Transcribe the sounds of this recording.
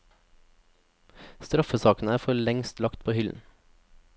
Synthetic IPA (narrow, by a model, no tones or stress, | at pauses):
st̪ɾɑfəsɑːkn̩æːɾfɔɭɛŋst̪lɑkt̪̚pʰoːhʏln̩